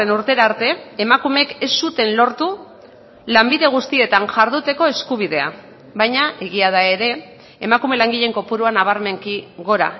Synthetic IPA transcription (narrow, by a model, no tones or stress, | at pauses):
enuɾt̪e̞ɾaɾt̪e̞ːmakume̞ke̞sːut̪e̞nlo̞ɾt̪u | lambiðe̞ɣ̞ust̪ie̞t̪aŋʝaɾðut̪e̞ko̞e̞skuβ̞iðe̞a̰ | βajɲaʔe̞ɣiað̞ae̞ɾe̞ː | makume̞laŋɡiʎe̞ŋko̞puɾuanaβ̞aɾme̞ŋkiɣo̞ɾa̰